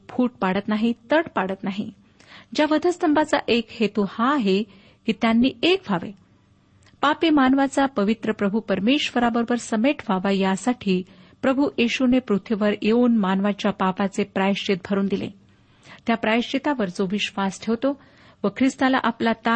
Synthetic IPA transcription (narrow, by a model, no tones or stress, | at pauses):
bʰʱuːʈ̚paɽət̪naɦit̪əɽpaɽət̪naɦi | d͡ʑjaʋəd̪ʱəst̪ʰəmbʱat͡sa̰ʔekhet̪uhaːɦe | kit̪janːiːekʋʱaʋḛ | papiːmanʋat͡sapəʋit̪ɾəpɾəbʱupəɾmeɕʋəɾabəɾbəɾsəmeʈʰʋ̤ʱaʋajasaʈʰiːpɾəbʱujeɕunepɾut̪ʰʋiʋəɾjeuːnmanʋat͡ɕjapapat͡sepɾajʂt͡ɕit̪̚bʱəɾuːnd̪ilḛ | t̪japɾajiʂt͡ɕit̪aʋəɾt͡soʋiɕʋasʈʰeʋt̪o | ʋəkʰɾist̪ala̰ʔaplat̪a